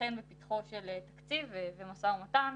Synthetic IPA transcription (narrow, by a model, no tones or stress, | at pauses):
enbepit̪χoʃelet̪akt͡sivevemasaumat̪an